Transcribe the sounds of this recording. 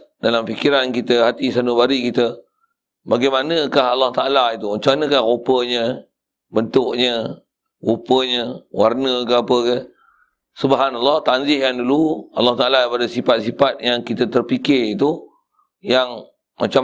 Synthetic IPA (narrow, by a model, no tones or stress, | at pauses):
dalamfikiɾankit̪əhat̪isanubaɾiʔkit̪ə | baɡajmanəkahɦalːɑht̪aalait̪umat͡ʃamanəkahɣopəɲə̃ | bənt̪ʊʔɲə | ɣupəɲəwarnəkəapəkə | subaɦanalːɑht̪and͡ʒɪhkanduluɑ̰lːɑht̪aʔalapadəsifat̪̚sifat̪̚jaŋkit̪ət̪ərpikɪrit̪u | jaŋ | mʔat͡ʃa